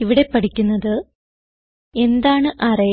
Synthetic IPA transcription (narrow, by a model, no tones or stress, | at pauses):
iʋiɽe̞pːɐʈikʲːunːɐðɨ | e̞nd̪aːɳɨʔɐrɐ